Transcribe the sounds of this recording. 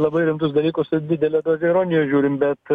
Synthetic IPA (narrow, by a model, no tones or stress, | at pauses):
lˠɐbɐɪɾʲɪmt̪ʊsd̪ɐlʲiːkʊsd̪ʲɪːd̪ʲɛlʲɛd̪oːzʲɛɪɾoːnʲɪjoʒʲuːɾʲɪmbʲɛt̪